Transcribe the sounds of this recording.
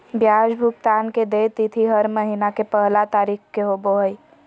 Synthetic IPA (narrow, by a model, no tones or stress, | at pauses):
bjaːd͡ʒbʱʊkt̪aːnked̪eːt̪it̪ʰiɦəɾməɦinakepəɦlat̪aːɾiːkkeɦoboɦəj